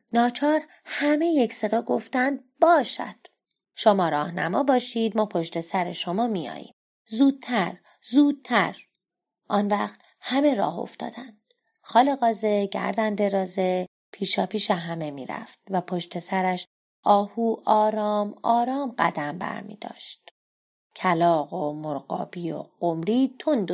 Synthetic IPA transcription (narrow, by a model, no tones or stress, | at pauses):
nɒːt͡ʃʰɒːɾ | hæme̞jecse̞d̪ɒːɡo̞ft̪ænd̪̚bɒːʃæ̰d̪̥ | ʃomɒːɾɒːhnæ̰mɒːbɒːʃiːd̪mɒːpʰoʃt̪e̞sæɾeʃomɒːmijɒ̰ːjḭːm | zuːd̪̥̚t̪ʰæɾ | zuːd̪̚t̪ʰæ̰ɾ | ʔɒːnvæːχt̪ | hæme̞ɾɒ̰ːɦo̰ft̪ɒ̰ːd̪ænd̪̥ | xɒːleɣɒːze̞ɟæ̰ɾd̪ænd̪e̞ɾɒːze̞ | pʰiːʃɒːpʰiːʃeɦæme̞miːɾæ̰ft̪væpʰoʃt̪e̞sæɾæʃ | ʔɒːhuːʔɒːɾɒːmɒːɾɒːmɢæd̪æmbæ̰ɾmḭːd̪̥ɒ̰ːʃt̪ | cʰælɒːɣomoɾɢɒ̰ːbiːo̰ɡ̥omɾiːt̪ʰond̪o